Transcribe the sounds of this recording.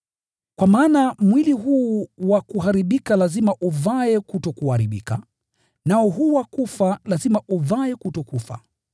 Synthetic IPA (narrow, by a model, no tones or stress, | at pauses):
kwamaːnamwiliɦuːwakuɦaɾiɓikalazimaʔuvaɛkutɔkuhaɾiɓḭka | naɔɦuːwakufalazimaʔuvaɛkutɔkufa̰